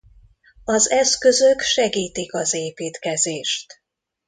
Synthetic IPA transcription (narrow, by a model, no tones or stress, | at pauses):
ɒzɛskø̞zøkʃɛɡiːt̪ikɒzeːpiːt̪kɛzeːʃt̪